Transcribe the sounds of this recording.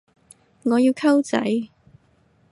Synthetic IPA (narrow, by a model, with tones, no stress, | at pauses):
ŋɔː˨˧jiː˧wkʰɐ˥wt͡sɐ̰˨˥j